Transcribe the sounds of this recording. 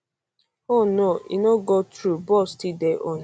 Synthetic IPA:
onoḭnoɡɔtɾubɔstideʔon

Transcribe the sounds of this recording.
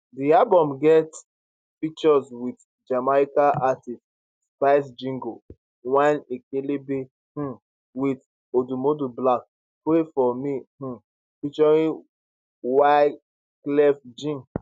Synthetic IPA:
diabɔ̃mɡɛt | fik̚t͡ʃɔswit | d͡ʒamaikaʔatist | spaɪs̬d͡ʒĩŋɡo | wãnekelebe | h̩ | wit | odumodublak̚ | pɹefɔmih̩ | fit͡ʃɔɹĩ | wa | klɛfd͡ʒĩŋ

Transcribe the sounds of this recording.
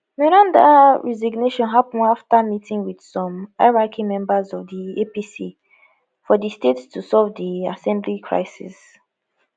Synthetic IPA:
mɛɹãndaɹɛziɡneʃɔ̃nɦapn̩aftamitĩŋwid̥sɔ̃maɪɹakʰimɛ̃mbazɔvdiepisḭ | fɔdistetstʰusɔlvdiasɛ̃mblikʰɹa̰ɪsḭs

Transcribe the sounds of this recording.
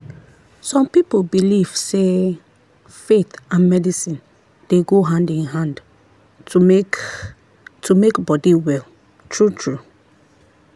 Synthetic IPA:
sɔ̃mpipobiliv̥se | fet̪ãnmɛdisĩn | d̥eɡoɦãndĩnɦãnd | tʰumekbɔdiwɛl | tʰɹutʰɹu

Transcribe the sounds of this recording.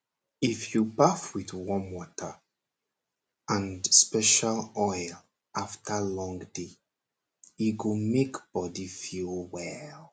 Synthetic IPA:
ifjupafwiðwɔ̃nwɔtʰə | ãnspɛʃalɔɪl | ʔaftʰəlɔ̃ŋde | juɡomekb̥ɔdifilwɛl

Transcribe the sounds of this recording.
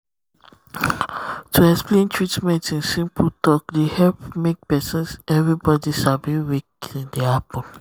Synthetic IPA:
tʰuɛksplẽntʰɹitmɛ̃ntĩnsĩmpʰltɔkdehɛlpmek̚pɛsə̃nsɛvɹibɔdisabĩwek̚ĩndɛapə̃l

